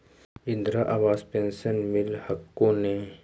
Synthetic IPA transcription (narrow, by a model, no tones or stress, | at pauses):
ɪ̃nd̪ɾaʔabaːspeːnsənmɪlhɐkːõne